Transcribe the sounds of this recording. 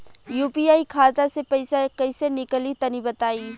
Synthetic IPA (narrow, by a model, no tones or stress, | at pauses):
juːpiaːikʰaːt̪asepɐɪsakɐɪsenɪkəlit̪ɐnibɐt̪aːiː